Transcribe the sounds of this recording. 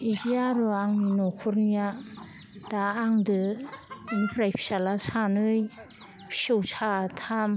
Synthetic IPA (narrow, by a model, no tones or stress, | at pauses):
iɡiaɾɔaŋninɔkʰuɾnija | d̥aːŋdɯ | ɯnipʰɾajpʰi̥salasanɯj | pʰi̥sɯwsʰatʰam